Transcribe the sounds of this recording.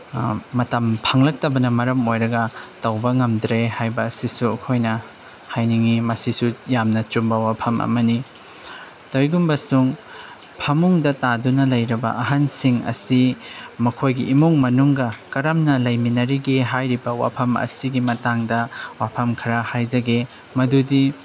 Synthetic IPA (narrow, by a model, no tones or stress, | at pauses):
mɐtɐmpʰɐŋlɐk̚tɐbɐnɐmɐɾɐmojɾɐɡɐtɐwbɐŋɐmdɾehajbɐːsisuɐkʰojnɐ | hajniŋimɐsisujamnɐt͡ʃumbɐwapʰɐmʔɐ̰mɐni | tojɡumbɐsuŋ | pʰɐmuŋdɐtadunɐlɐjɾɐbɐ̰ɐɦansiŋɐ̰simɐkʰojɡiʔːmoŋmɐnuŋɡɐkɐɾɐmnɐlɐjminɐɾiɡeɦajɾibɐwa̰pʰɐmɐ̰siɡimɐtaŋdɐwapʰɐmkʰɐɾɐhajzɐɡe | mɐdudi